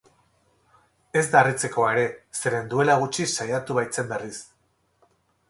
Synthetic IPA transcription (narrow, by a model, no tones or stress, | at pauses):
e̞zd̪arit͡se̞ko̞aeɾe̞se̞ɾe̞nd̪ue̞laɣ̞ut͡ʃisajat̪uβajt͡se̞mbe̞ris